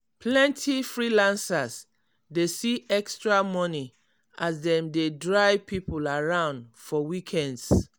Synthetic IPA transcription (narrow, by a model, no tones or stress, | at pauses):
pʰlɛ̃ntʰifɹilãnsas | desiɛkstɹamɔni | ʔasdɛ̃mdedɹajpʰipulaɹãʊ̃ndfɔwikʰɛ̃nds